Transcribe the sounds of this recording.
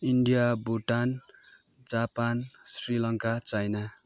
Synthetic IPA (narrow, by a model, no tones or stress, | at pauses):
iɳɖijabuʈan | d͡zapansrilʌŋkat͡sajna